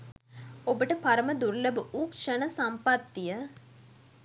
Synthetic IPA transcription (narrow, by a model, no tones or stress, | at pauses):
obəʈəpaɾəməd̪uɾləbuʔukʂənəsɐmpat̪ːijə